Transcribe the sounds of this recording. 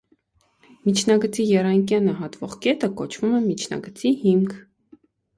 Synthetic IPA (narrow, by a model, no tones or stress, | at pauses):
mit͡ʃʰnɑɡət͡sijɛrɑŋk̬jɑnəɦɑt̪vɔʁkɛt̪əkɔt͡ʃʰv̥umɛmit͡ʃʰnɑ̰ɡət͡sʰihimkʰ